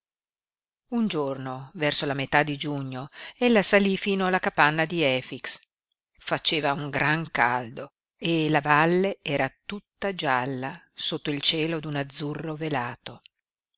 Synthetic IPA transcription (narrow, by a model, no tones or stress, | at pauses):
und͡ʒornovɛrsolamet̪ad̪id͡ʒuɲːoelːasalifiːnoalːakapanːad̪iɛːfiks | fat͡ʃeːvauŋɡɾaŋka̰ld̪o | elavalːeɛːɾat̪ut̪ːad͡ʒalːa | sot̪ːoilt͡ʃɛːlod̪unad̪zurːovelaːt̪o